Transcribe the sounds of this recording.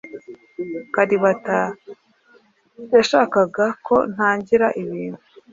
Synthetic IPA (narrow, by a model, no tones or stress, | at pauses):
kaɾiβata | jaʃaːkaɡakʰo̞n̥haːɲɟiɾaʔiβiːnhu